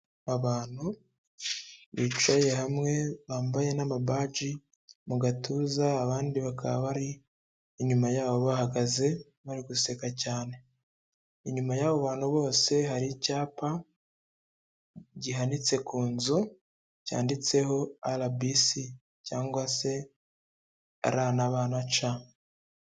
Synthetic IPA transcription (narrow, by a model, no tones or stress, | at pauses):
aβaːn̥hu | βiːt͡ʃwaje̞ɦamŋe̞βaːmbaje̞namabaːd͡ʒi | muɡatuːzaːβaːndiβakʰa̰βa̰βaɾiː | ɲumajaːβo̞βahaɡaze̞ | βaɾiɡuse̞kacaːne̞ | iɲumajaːβo̞βaːn̥huβo̞ːse̞ɦaɾicaːpa | ɟiɦanit͡se̞kuːnzu | ca̰ːndit͡se̞ho̞alabisi | caːŋɡwase̞ | a̰ɾaːnaβaːnat͡ʃa